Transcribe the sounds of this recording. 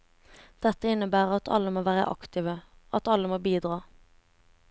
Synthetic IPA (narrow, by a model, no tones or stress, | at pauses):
d̪̥ɛt̪əɪnəbæːʁɑt̪ʰɑ̰ləmoːʋæːʁə̰ʔɑ̰kt̪ɪːʋə | ʔɑt̪ɑləmoːbiːd̪ʁɑː